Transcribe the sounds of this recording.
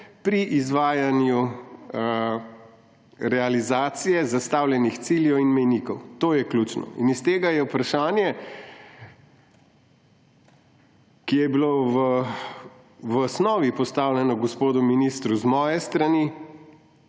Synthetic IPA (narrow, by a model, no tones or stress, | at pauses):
pɾiʔizʋaːjanju | ɾɛalizaːt̪sijɛzast̪aːwlʲjɛnixt̪siːljɛwinmɛjnikɔwt̪oːjɛklʲut͡ʃnɔ̰ḭnist̪eːɡajɛupɾaʃaːnjɛ | kijɛbiloʋ | ʋsnɔːʋipɔst̪aːwljɛnɔɡɔspoːd̪uminiːst̪ɾuzmɔːjɛst̪ɾani